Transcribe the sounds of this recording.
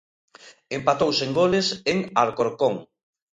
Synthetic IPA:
empat̪owseŋɡoleseŋaɾkoɾkoŋ

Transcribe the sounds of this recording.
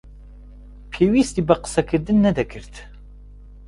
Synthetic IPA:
pʰewist̪ibəqə̥sɐkʰɨɾd̪ɨnːɛd̪ɛkʰɨɾt̪

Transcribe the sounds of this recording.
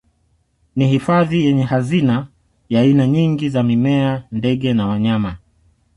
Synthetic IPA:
nihifaðijɛɲɛhazina | jaːinaɲiŋɡizamimɛandɛɠɛnawaɲama

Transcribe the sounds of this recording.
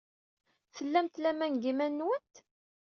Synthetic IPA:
θəlːæmt̪læmænɡimænːwənt̪

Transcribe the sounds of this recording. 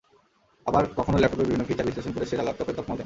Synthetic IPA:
abaɾkɔkʰonolɛp̚ʈopeɾbibʱinːofit̪aɾbisleʃonkoɾeʃeɾalɔp̚t̪ɔpet̪ɔpmod̪e

